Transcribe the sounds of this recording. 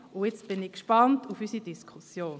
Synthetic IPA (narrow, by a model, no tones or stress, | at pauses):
ʊjet͡stb̥ɪnikʃpɑntufysidiskʰusjoːn